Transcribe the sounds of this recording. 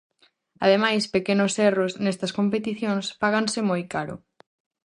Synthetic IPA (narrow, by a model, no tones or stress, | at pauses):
ɐðemajspekenʊsɛrosnɛst̪ɐskompet̪iθjõŋspaɣ̞ansɪmojkaɾʊ̰